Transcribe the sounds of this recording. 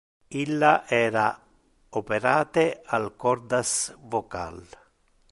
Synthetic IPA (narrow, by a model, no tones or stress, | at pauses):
ilːaʔɛːɾa | opeɾaːt̪ealkɔrd̪asvoka̰l